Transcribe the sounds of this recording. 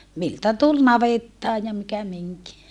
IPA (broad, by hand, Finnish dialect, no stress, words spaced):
miltæ tul nɑʋetːɑː jɑ mikæ miŋki